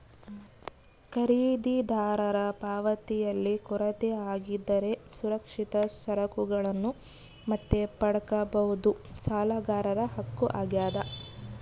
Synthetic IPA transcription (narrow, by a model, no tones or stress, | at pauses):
kɐɾiːd̪id̪ʱaːɾɐɾɐpaːʋɐt̪ijɐlːikuɾɐt̪eaːɡid̪ːɐɾe̞suɾɐkʂit̪ɐsɐɾɐkuɡɐɭɐnːu | mɐt̪ːe̞pɐɽɐkɐbɐɦud̪usaːlɐɡaːɾɐɾɐɦɐkːuʔa̰ːɡjaːd̪ɐ